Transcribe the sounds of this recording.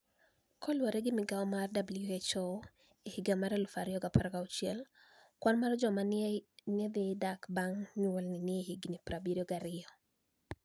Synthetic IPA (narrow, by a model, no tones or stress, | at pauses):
kɔlwaɾɛɡɪmɪɡaɔmardabljuet͡ʃɔ | ehiɡamaɾɛlʊfaɾɪɔɡapaɾɡaʊt͡ʃjɛl | kwanmaɾɔd͡ʒɔmaned̪ɪdakbaŋɲɔlnɪnɪehiɡnipɾabiɾiɔɡaɾɪɔ